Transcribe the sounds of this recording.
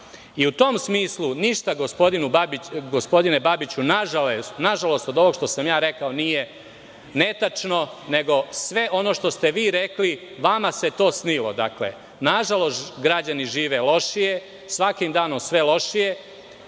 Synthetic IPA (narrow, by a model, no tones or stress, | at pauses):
iut̪o̞msmiːslˠuniʃt̪aɡospo̞d̪inubabɡospo̞d̪inebabit͡ɕunaʒalesnaʒalo̞st̪od̪o̞ʋo̞ɡʃt̪o̞samjaːɾe̞kao̞nije | net̪at͡ʃnone̞ɡo̞sʋe̞ʔo̞no̞ʃt̪o̞st̪e̞ʋiːɾe̞kli | ʋamase̞t̪o̞ːsnilˠo̞̰d̪akle̞̰ | naʒalˠo̞stt̪ɡɾad͡ʑaniʒiːʋe̞lˠo̞ʃije̞ | sʋakimd̪aːno̞msʋe̞lˠo̞ʃije̞